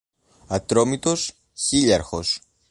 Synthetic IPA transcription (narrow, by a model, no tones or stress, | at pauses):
ɐt̪ɾo̞mit̪o̞s | çiʎɐɾxo̞s